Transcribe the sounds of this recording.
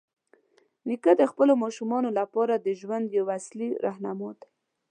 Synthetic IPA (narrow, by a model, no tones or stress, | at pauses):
nikad̪əxpəlomɑʃumɑnolapɑɾad̪əʒwand̪jawasliɾahnamot̪ḁ